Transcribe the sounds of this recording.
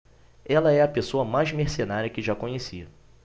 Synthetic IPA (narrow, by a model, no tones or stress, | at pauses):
ɛlɐɛɐpesoɐmajzmeχsenaɾʲjɐkɪʒakõɲesiɐ